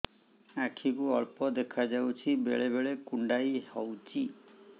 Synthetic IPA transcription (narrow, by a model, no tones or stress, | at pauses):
akʰikuɔɭpɔd̪ekʰad͡ʒawt͡ʃʰibeɭebeɭekuɳɖajhɔwt͡ʃʰi